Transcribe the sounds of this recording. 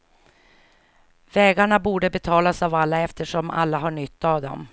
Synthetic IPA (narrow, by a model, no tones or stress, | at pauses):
vɛːɡaɳabuːɖəbɛt̪ʰɑːlasavalːaɛft̪əʂɔma̰lːaɦaɳʏt̪ːavd̪ɔ̰m